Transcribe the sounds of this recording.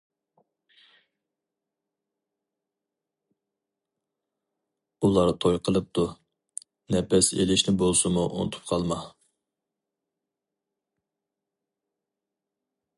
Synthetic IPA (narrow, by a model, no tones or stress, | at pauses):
ulˠɑɾt̪ʰojqʰəlˠɨp̚t̪ʰu | nɛpɛsḛlɪʃnɪbolˠsɨmuʔo̰nt̪ʰu̥p̚qʰɑlˠmɑ